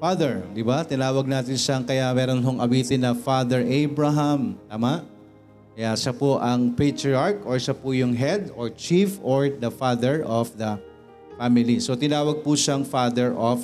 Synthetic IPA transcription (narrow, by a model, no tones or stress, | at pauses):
fad̪ɛɹd̪ɪbat̪ɪnaːwɐɡ̚naːt̪ɪnʃɐŋkɐjamɛːɾonɦoŋʔɐwiːt̪ɪnːɐfad̪ɛɹʔejbɹɐɦɐmt̪aːmaʔ | kɐjaʃapoʔɐŋpet̪ɹɪaɹkʔoɹʃapʊjʊŋɦɛd̪ɔɹt͡ʃifoɹd̪ɐfad̪ɛɹʔofd̪ɐ | famɪlisot̪ɪnaːwɐɡ̚pʊʃaɐŋfaːd̪ɛɹʔof